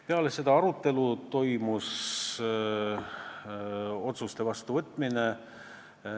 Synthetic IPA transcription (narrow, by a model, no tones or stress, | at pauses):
peɑlese̞d̪̥ɑɑɾut̪ːˑe̞lut̪o̞jmus | o̞t̪sust̪e̞vɑst̪uvɤt̪ːˑmine